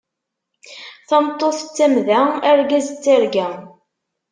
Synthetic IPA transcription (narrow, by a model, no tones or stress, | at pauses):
θɑmt̪ˤːoθət͡sːæmðææɾɡæzt͡sːaɾɡæ